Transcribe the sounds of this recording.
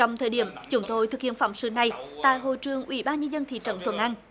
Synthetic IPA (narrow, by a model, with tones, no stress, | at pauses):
t͡ɕɔ˧wŋ͡mt̪ʰəː˧˩jɗi˧˩əmt͡ɕʊ˨˦ŋ͡mt̪o˧jt̪ʰɨ˨˩k̚hḭ˧˨ənfa̰˧˩wŋ͡msɨ̰˧˩na˨˩jt̪a̰ː˧˨jɦo̰˧˨jt͡ɕɨ˨˩əŋʔwḭ˧˩˦ɓaː˧nɲə˧nzə˧nt̪ʰḭ˧˨˩t͡ɕə̰˧˩nt̪ʰwə̰˧˩nʔa˧n